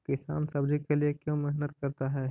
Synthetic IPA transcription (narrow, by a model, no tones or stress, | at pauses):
kɪsa̰ːnsɐbd͡ʒikeliekjõːmɪɦnət̪kɐɾt̪aɦɛː